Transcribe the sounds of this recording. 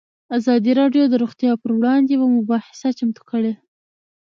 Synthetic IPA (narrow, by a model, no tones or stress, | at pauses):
azɑd̪iɾɑɖjod̪əɾuɣt̪jɑpəɾwɽɑnd̪ewamʊbɑħɪ̥sat͡ʃamt̪u̥kəɽe